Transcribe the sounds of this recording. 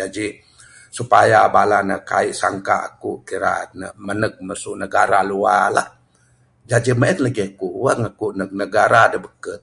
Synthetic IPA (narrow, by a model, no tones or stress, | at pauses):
d͡ʒad͡ʒi | supajabalanəʔka̰iʔsaŋkaa̰kuʔkiɾa̰nə̰mənək̚məsuʔnəɡaɾalua̰lah | d͡ʒad͡ʒiməət̪ləɡiakuʔwəŋakuʔnək̚nəɡaɾadəbəkət̪̚